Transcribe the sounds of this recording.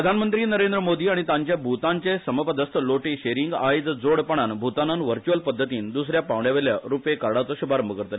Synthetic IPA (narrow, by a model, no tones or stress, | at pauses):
ɾəd̪ʱanmənt̪ɾiːnəɾend̪ɾəmod̪iːaɽ̃it̪aɲt͡ɕjabʱut̪aɲt͡ɕesəməpəd̪ʱəst̪əloʈiɕeɾiŋɡajd̪d͡zoɽpəɳ̃anbʱut̪ananʋəɾt͡ɕuʋəlpəd̪ʱːət̪iːnd̪usɾjapaʋɳjaʋeljaɾupekaɾɽat͡sɔɕubʱaɾəmbəkəɾt̪le